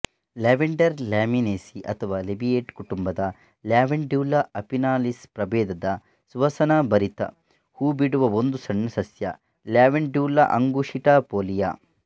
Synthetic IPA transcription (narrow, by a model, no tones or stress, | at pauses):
laːʋeɳɖɐɾljaːmineːsiʔɐ̰t̪ʰɐʋaːlebijeːʈkuʈumbɐd̪ɐ | ljaːʋeɳɖuːlɐɐpinaːlispɾɐbeːd̪ɐd̪ɐ | sʋɐsɐnɐbɐɾit̪ɐ̰ | huːbiɽuʋɐond̪usɐɳːɐsɐsjɐ̰ | ljaːʋeɳɖjuːlɐ̰ʔɐŋɡuʂiʈaːpoːlijaː